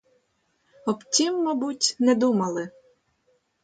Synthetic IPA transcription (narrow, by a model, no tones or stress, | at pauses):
ɔbtʲimːɔbutʲnɛd̪umɐlˠɪ